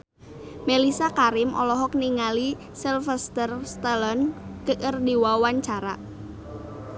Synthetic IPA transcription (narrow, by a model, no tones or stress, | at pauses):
melisakaɾɪmʔɔ̰lɔɦɔk̚niŋali | silfɛst̪ərst̪əlɔnkəʔərdiwawaɲt͡ʃaɾa